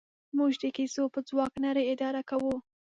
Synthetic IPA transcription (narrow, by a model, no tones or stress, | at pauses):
muʒd̪əkisopəd͡zwɑknaɾeɪd̪ɑɾakawu